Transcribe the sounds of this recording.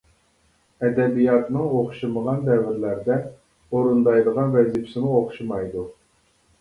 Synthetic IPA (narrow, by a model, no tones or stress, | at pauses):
ɛd̪ɛbijɑt̪nɨŋoχʃɨməʁɑnd̪ɛvɪɾlæɾd̪ɛ | oɾund̪ɑjd̪əʁɑnvɛzipʰsɪmuoχʃumɑjd̪u